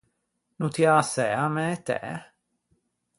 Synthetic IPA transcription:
nut̪jasɛamɛt̪ɛ̰

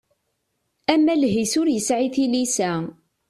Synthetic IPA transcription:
æmːælɦisʊɾjəsʕiθilisæ

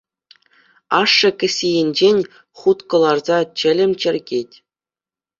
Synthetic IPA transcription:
ɑʂːɤ̆kʲɘ̆sʲijenʲd͡ʑenʲ | χut̪kɤ̆lˠɑrzɑt͡ɕɘ̆lʲɘ̆mʲt͡ɕɘ̆rʲɡʲetʲ

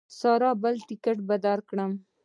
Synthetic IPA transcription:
sɑɾɑbəlʈɪkaʈbad̪ɑɾkɽəm

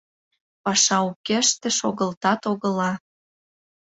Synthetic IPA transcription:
pɑʃɑukeʃt̪ĕʃoɣə̆lt̪ɑt̪oɣə̆lɑ

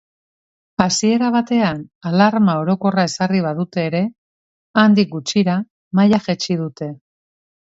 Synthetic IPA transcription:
asie̞ɾaβ̞at̪e̞analaɾmao̞ɾo̞ko̞rae̞sariβ̞aðut̪e̞ːɾe̞ | and̪ik̚ɡut͡ʃiɾa | majaʝet͡ʃiðut̪e̞

